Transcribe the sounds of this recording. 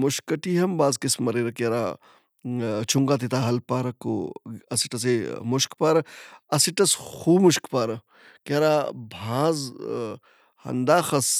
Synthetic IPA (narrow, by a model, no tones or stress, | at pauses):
mʊʃkɐʈiːɦɐmbaːzkismɐɾeːɾɐkɐɾaː | t͡ʃʰuŋɡaːt̪̬it̪aːɦɐlpaːɾɐko̰ɐsiʈɐs̬emʊʃkpaːɾɐɐsiʈɐsxuːmuʃkpaːɾɐ | kaɾaːbʱãːz | hɐ̰nd̪aːxɐs